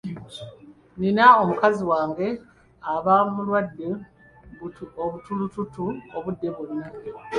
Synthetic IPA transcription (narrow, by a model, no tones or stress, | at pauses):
ninao̞mukaziwaːŋɡe̞ | aβamulwadːe | oβutulututuoβudːe̞βuno